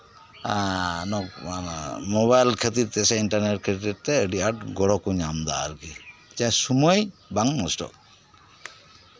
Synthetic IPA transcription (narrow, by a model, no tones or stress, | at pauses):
anɔkanmɔβajlkʰət̪iɾt̪ɛsɛinʈaɾneʈ̚kʰət̪iɾt̪ɛəɖiaʈɡɔɽɔkuɲamd̪aa̰ɾkid͡ʒasumɔjbaŋmɔsʈɔ̰k̚